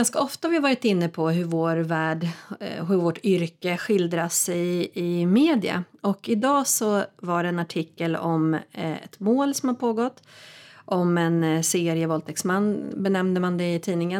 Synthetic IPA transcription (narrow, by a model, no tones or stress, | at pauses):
anskaɔft̪ahavɪhavɑːɾɪt̪ɪnːəpʰɔɦɵvoːɾvæːɖɦɵɾvoːʈʏɾkəɧɪld̪ɾasɛjɪmeːd̪ɪa̰ɔkɪd̪ɑːsɔvaɖɛɛnaʈʰɪkːəlɔmɛ̰t̪moːlsɔmhaɾpʰoːɡɔt̪ːʔɔmɛnseːɾɪəvɔlt̪ʰɛksmanːbɛnɛmnəmand̪ɛɪt̪ʰiːnɪŋən